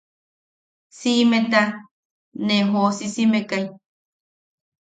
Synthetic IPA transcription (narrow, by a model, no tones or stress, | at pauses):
simet̪a | neɦosisimekaj